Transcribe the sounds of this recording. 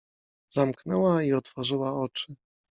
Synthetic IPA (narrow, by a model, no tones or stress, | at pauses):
zamknɛwaiɔt̪fɔʐɘwaɔt͡ʂɘ